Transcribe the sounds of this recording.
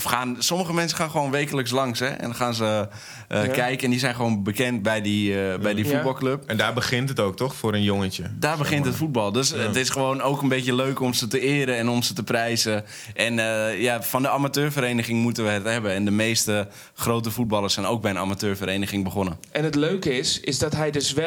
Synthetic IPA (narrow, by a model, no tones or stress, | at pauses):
fxaːnsɔməxəmɛnsəxaːnχəʋoːnʋejkələks̬lɑŋsɛ̰ɛ̰nxaːnsə | əkɛjkəɛndisɛjnχəʋoːnbəkɛnt̚bɛjdibɛjdifubɑlˠkløpɛndaːbəɣɪntɦətoːk̚tɔxfoːɾənjoŋətədaːrbəxɪntətfut̚bɑlˠdøsətɪsχəʋoːnoːkənbetjəløːkɔmsətəɪːɾəɛnɔmsətəprɛjzə | ʔɛnəjafɔndəamatøːrfəɾejnəχɪŋmutənʋəɦɛtɦɛbəɛndəmeːstə | χrowtəfut̚bɑlˠəsɛjnoːk̚bɛjəna̰matøːɹfəɾejnəɣɪŋbəχonəʔɛnətløːkəɪsɪzdɔtɦɛjdøsʋɛ